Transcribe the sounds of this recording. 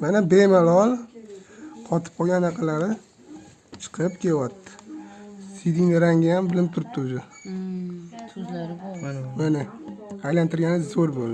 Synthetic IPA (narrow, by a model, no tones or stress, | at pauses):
manabemalɒlˠ | qʰɒt̪ʰɪ̥p̚qʰɒɡʲanːaqʰɑlaɾɪ | t͡ʃʰɨ̥qʰɨɾɪpkʲʰewɒt̪ʰːɪ̥ | sid̪ɪŋnɪɾaŋɡʲajambɪlɪmpt̪ʰʊɾɪp̚t̪ʰʊʊzʊ | zlaɾbmanɪajlant̪ʰɪɾɡʲanɪzoɾbolˠd̪ɪ